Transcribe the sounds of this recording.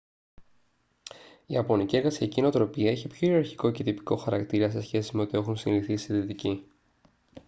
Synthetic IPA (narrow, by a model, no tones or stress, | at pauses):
iɐpo̞nicie̞ɾɣɐsiɐcieno̞t̪ɾo̞piɐe̞çipço̞iɾɐɾçiko̞ce̞t̪ipi̥ko̞xɐɾɐkt̪iɾɐse̞sçe̞sime̞o̞t̪ie̞xunsiniθisiðit̪ici